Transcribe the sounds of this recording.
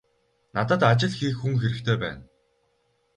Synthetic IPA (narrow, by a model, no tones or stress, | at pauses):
nat̪ə̆t̪at͡ɕɪ̆ɮxiːkxuŋxeɾɘ̆kt̪ʰeːpæ̰ːn